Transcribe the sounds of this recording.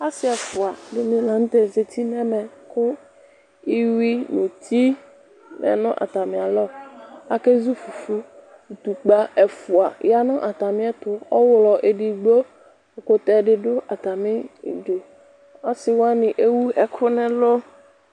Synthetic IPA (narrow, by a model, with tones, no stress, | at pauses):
a˦sɪ˦ɛ˨fʊ˨a˨dɪ˨mɪ̃˨lã˨ŋ̩˦t̪ɛ˨ze˨t̪ʰi˦mɛ̃˦mɛ̃˨kʊ˦ | i˦wi˦nũ˨t̪ʰi˦ | mɛ̰˨nʊ̃˦ʔa̰˨t̪a˨mɪ̃˨a˨lɔ˦a˨ke˦zu˦fu˨fu˦ | u˨t̪u˨k͡pa˦ɛ˨fʊ˨a˨ja˦nʊ̃˦ʔa˨t̪a˨mɪ̃˦ɛ˦t̪ʊ˦ɔ˦wlɔ˨ʔe˨ɖi˨ɡ͡bo˦˨ | kʊ˨t̪ɛ˦ɖɪ˦ɖʊ˦ʔa˨t̪a˨mɪ̰̃˦˨dʊ˨ | a˦sɪ˦wa˦nɪ̃˨ʔe˦wu˦ɛ˦kʰʊ˦nɛ̃˦lo˦